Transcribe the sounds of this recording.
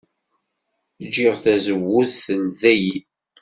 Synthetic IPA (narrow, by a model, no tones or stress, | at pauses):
d͡ʒiʁθæzəwːʊθəlðæji